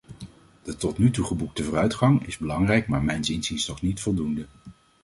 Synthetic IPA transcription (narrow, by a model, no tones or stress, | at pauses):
d̥ətɔtnytuχəbuk̚təvʊːrœɥtχɑŋɪzbəlɑŋrɛjkmaːɹmɛjnzinzinsnɔχnitfɔlˠdundə